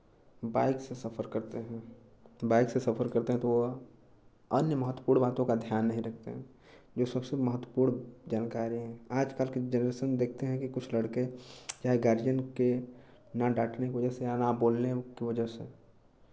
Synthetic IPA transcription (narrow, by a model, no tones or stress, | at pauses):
baːɪksesɐpʰəɾkɐɾt̪eɦɛ̃ː | baːɪksesɐfʰəɾkɐɾt̪eɦɛ̃t̪oʋo | ənjəməɦət̪ːwəpuːɾɳbaːt̪õkad̪ʱjaːnːɐɦĩɾɐk̚ʰt̪ḛɦɛ̃ | d͡ʒoːsɐbseməɦət̪ːwəpuːɽɳd͡ʒaːnkaːɾiɦɛ̃aːd͡ʒkaːlked͡ʒənɾeːʃənd̪eːk̚ʰt̪eɦɛ̃kikʊt͡ʃʰləɽked͡ʒaːɦeɡaːɾd͡ʒənke | naɖaːʈnekiʋəd͡ʒəsejanaboːlnekiʋəd͡ʒəɦse